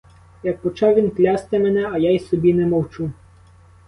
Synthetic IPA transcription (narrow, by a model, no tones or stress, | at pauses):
jɐk̚pɔt͡ʃɑwʋʲinklʲɑst̪ɛmɛnɛɐjajsɔbʲinɛmɔwt͡ʃu